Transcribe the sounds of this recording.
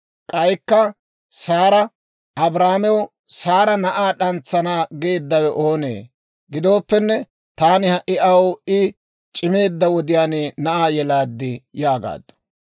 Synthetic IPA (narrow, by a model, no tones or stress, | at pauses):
kʼɐjkːɐ | saːɾɐ | ɐbɾaːmɛwɔ | saːɾɐnɐʔaːɗɐnt͡sːɐnaːɡe̞ːd̪ːɐwɛʔo̞ːnḛː | ɡɪd̪o̞ːpːɛnːɛ | t̪aːnɪhɐʔɪʔɐwɪ | t͡ʃʼɪme̞ːd̪ːɐwɔd̪ɪjaːnɪnɐʔaːjɛlaːd̪ːɪjaːɡa̰ːd̪ɐ̥